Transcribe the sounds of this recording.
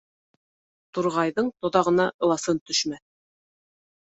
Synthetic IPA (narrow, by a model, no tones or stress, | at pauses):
t̪uɾʁɑjðɤɴt̪ŏðɑʁɤ̆nɑʔɤ̆lˠɑsɤnt̪ɵ̆ʃmæθ